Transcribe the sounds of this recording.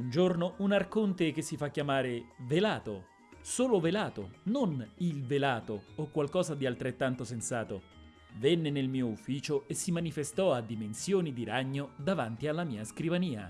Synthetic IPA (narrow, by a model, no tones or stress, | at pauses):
und͡ʒornounarkont̪ekesːifakːjamaːɾevelaːt̪o̰ | soːlovelaːt̪o̰nonilvelaːt̪oːkːwalkɔːzad̪ialt̪ɾet̪ːant̪osensaːt̪o | venːenelmiːoufːiːt͡ʃoesːimanifest̪ɔad̪ːimensjoːnid̪iɾaɲːod̪avant̪ialːamiːaskɾivaniːa̰